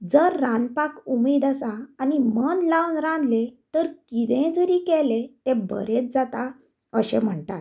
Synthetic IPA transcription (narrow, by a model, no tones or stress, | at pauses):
d͡zəɾːãnpakumiːd̪əsaːnimənlawnɾãnd̪let̪əɾkid̪ẽd͡zəɾiːkɛlet̪ebə̰ɾet͡sd͡zat̪a | əɕẽm̤əɳt̪at̪